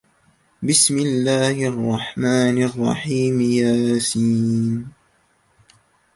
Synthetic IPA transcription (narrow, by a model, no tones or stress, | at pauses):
bɪsmɪlːaːhɪʔɑrˤːɑħmaːnɪrˤːɑ̰ħiːmjaːsiːn